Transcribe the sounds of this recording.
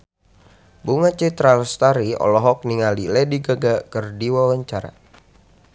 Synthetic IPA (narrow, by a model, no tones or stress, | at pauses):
buŋat͡ʃet̪ɾalst̪aɾiɔ̰lɔɦɔk̚niŋalilɛdiɡaɡakɨrdiwawaɲt͡ʃaɾa̰